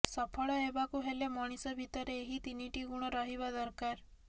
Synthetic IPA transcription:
sɔpʰɔɭɔebakuɦelemɔɽ̃isɔbʱit̪ɔɾeːɦit̪iniʈiɡuɽ̃ɔɾɔɦibad̪ɔɾkaɾ

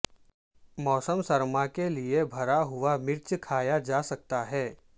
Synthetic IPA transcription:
mɔːsəmsɐɾmakeliebʱɐɾaɦʊʋamɪɾt͡ʃkʰaːjad͡ʒasɐk̚t̪aɦɛː

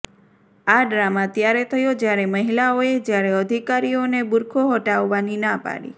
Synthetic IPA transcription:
aɖɾamat̪jaɾet̪ʰəjod͡ʒjaɾeməɦilaoed͡ʒjaɾeəd̪ʱikaɾionebuɾkʰoɦɔʈaʋːaninapa̰ɽḭ

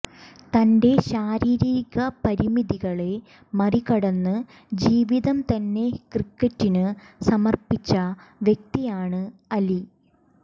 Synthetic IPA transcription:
t̪ɐnde̞ɕaːɾiːɾiːɣɐpɐɾimiðiɣɐɭe̞ | mɐrikɐɽɐnːɨ | d͡ʑiːʋiðɐmt̪ɐnːe̞krikːɐtːinɨsɐmɐrpit͡ɕːɐʋjek̚t̪ijaːɳɨɐli

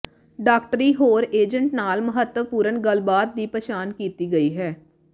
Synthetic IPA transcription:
ɖaːk̚ʈəɾiːɦoːɾeːd͡ʒə̃ɳʈnaːlməɦət̪ːəʋpuːɾənɡəlbaːt̪̚d̪iːpəʃaːnkiːt̪iɡəiɦɛː

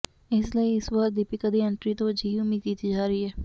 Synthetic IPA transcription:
ɪsləiːɪswəkd̪ipɪkəd̪iːɛɳʈɾiːt̪õːd͡ʒʱiːʊmiːd̪̚kiːt̪iːd͡ʒaːɾəiːɦɛː

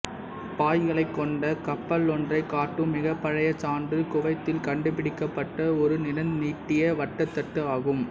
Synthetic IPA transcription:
paːjɣɐɭɐɪkːɔɳɖɐkɐpːɐlɔndrɐɪkːaːʈːɯmːɪɣɐpːɐɻɐjɐt͡ʃaːɳɖɯkʊʋɐɪt̪ːɪlkɐɳɖɯpɪɽɪkːɐpːɐʈːɐɔɾɯnɪnɐnniːʈːɪjɐʋɐʈːɐt̪ːɐʈːɯaːɣɯm

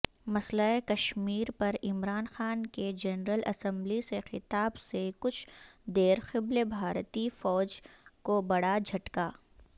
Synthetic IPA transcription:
mɐslaekɐʃmiːɾpɐɾɪmɾaːnxaːnked͡ʒɐnɾəlɐsə̃mblisexɪt̪aːbsekʊt͡ʃʰd̪eːɾxɪblebʱaːɾt̪ifɔːd͡ʒkobɐɽad͡ʒʱɐʈkaː

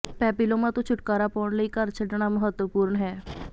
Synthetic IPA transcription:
pɛːpiloːmãt̪õːt͡ʃʰʊʈkaːɾaːpɔːɳləiːkəɾt͡ʃʰəɖɳaːməɦət̪wəpuːɾɳɦɛː

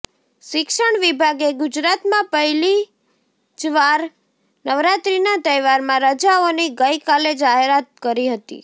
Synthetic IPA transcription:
ʃɪkʃəɳʋibʱaɡeɡʊd͡ʒɾat̪mãpəɦili | d͡ʒʋaɾ | nəʋɾat̪ɾinat̪əjʋaɾmãɾəd͡ʒaoniɡəjkaled͡ʒaɦeɾat̪̚kəɾiɦət̪ḭ

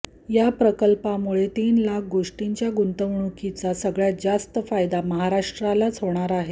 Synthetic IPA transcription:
japɾəkəlpamuɭet̪iːnlak̚ʰɡoʂʈiɲt͡ɕjaɡunt̪əʋɳukit͡sasəɡɭjad͡zast̪əfajd̪aməɦaɾaʂʈɾalat͡sʰɦoɳ̃aɾaɦe

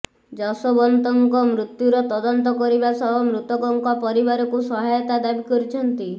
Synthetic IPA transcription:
d͡ʒɔsɔbɔnt̪ɔŋkɔmɾut̪juɾɔt̪ɔd̪ɔnt̪ɔkɔɾibasɔbɔmɾut̪ɔkɔŋkɔpɔɾibaɾɔkusɔɦajɔt̪ad̪abikɔɾit͡ʃʰɔnt̪i

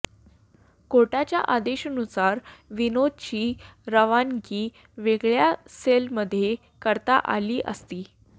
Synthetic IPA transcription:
koʈat͡ɕjaʔad̪eɕənusaɾʋinod̪̚t͡ɕiːɾəʋankiː | ʋeɡɭjaselməd̪ʱːje | kəɾt̪a̰ʔa̰liːʔə̰st̪iː

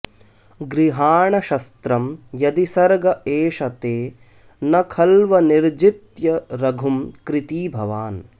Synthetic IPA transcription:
ɡɾiɦaːɳɐʃɐst̪ɾɐmjɐd̪isɐɾɡɐeːʃɐt̪eː | nɐkʰɐlʋɐniɾd͡ʒit̪jɐɾɐɡʱumkɾit̪iːbʱɐʋaːn

